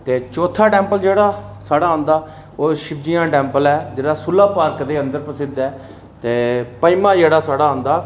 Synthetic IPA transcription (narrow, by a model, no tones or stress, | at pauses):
t̪eːt͡ʃoːt̪ʰaːʈɛ̃ːmpəld͡ʒeːɽaːsaːɽaːɦõːnd̪aː | oːʃɪbd͡ʒɪjãːʈɛːmpəlɛːd͡ʒeːɽaːsʊlːaːpaːɾkd̪eːənd̪əɾpəsɪd̪ɛː | t̪eːpəimãːd͡ʒeːɽaːsaːɽaːõːnd̪aː